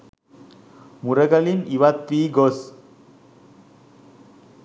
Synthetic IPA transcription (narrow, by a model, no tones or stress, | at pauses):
muɾəɡɐliniʋat̪ʋiːɡos